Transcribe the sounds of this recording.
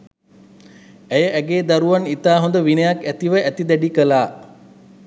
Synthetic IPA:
æjəʔæɡeːd̪aɾuʋanit̪aːɦõnd̪əʋinəjakæt̪iʋəʔæt̪id̪ɛɖikəlaː

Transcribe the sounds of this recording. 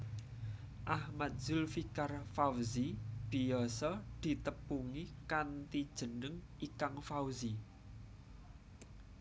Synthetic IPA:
ʔahmat̪̚z̥ʊlfikarfawzib̥i̤jɔsɔd̪̥i̤t̪əpuŋikant̪id̥ʒ̥ə̤nəŋ | ikaŋfawzi

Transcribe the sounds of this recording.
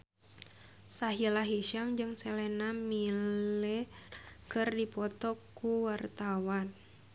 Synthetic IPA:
saɦilaɦiʃamd͡ʒɨŋsɛlɛnamilɛkɨrdipɔt̪ɔkːuwart̪awan

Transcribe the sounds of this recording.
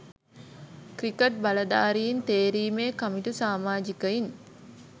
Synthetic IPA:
krikəʈ̚bɐlɐd̪aːɾijint̪eːɾiːmeːkamiʈusaːmaːd͡ʒikəin

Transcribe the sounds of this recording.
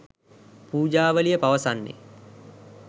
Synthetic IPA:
puːd͡ʒaːʋəlijəpaʋəsanːḛ

